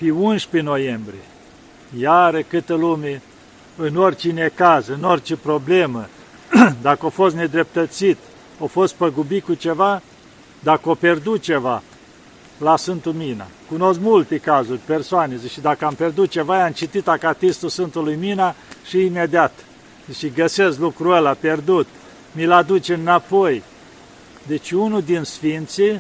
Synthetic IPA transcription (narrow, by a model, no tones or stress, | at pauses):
peunʃpeno̞jembɾʲie | jaɾekɨt̪əlume | ɨnorʲt͡ʃine̞kazɨnorʲt͡ʃepɾoblemə | d̪akəofost̪ne̞d̪ɾe̞p̚t̪ət̪sit̪ | ofo̞st̪̚pəɡubikut͡ʃeva | d̪akəopʲerd̪ut̪̚t͡ʃeva | lasfɨnt̪umina̰kuno̞skmult̪ekazurʲpe̞rsoanezʃid̪akəampe̞rd̪ut̪̚t͡ʃe̞vajamt͡ʃit̪it̪akat̪ist̪usɨnt̪ulujminaʃiːmed̪iat̪ | ʃiɡəseslukɾuəlapʲerd̪ut̪ | milad̪ut͡ʃeɨnapoj | d̪et͡ʃʲunud̪insfint̪si